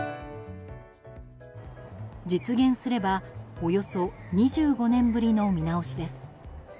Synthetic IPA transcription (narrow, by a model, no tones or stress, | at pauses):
d͡ʑit͡sɨɡẽ̞ɰ̃sɨɾe̞baojo̞so̞ɲ̟iʑɨːɡo̞nẽ̞mbɯ̟ɾʲino̞mʲinao̞ɕid̪e̞sɨ̥